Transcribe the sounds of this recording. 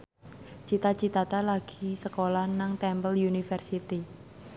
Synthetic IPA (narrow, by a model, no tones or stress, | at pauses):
t͡ʃit̪at͡ʃit̪at̪alaɡ̥isəkolahnaŋt̪ɛmpəljunifərsit̪i